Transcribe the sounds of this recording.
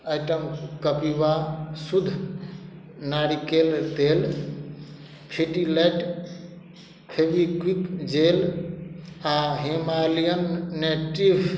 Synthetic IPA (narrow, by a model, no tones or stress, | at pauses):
əjʈəmkəpibasud̪ʱ | naɽikeld̪el | pʰiʈilɛʈ | pʰebikwikd͡ʒel | aɦemalijənːeʈibʱ